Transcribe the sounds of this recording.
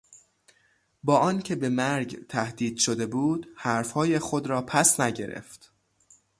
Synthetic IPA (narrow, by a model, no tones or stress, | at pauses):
bɒːʔɒːncʰe̞be̞mæɾɟt̪ʰæhd̪iːd̪̥ʃod̪e̞buːd̪hæɾfhɒːjexo̞d̪ɾɒːpʰæsnæɟe̞ɾḛft̪